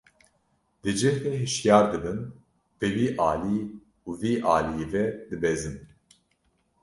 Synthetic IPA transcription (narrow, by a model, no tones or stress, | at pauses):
d̪ɨd͡ʒɨheɦɨʃjɑːɾd̪ɨbɨn | b̥ɨwiːʔɑːliː | uviːʔɑːlijevɛd̪ɨbeːzɨm